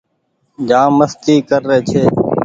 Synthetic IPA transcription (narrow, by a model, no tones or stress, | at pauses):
d͡ʒãːməst̪iːkəɾːeːt͡ʃʰeː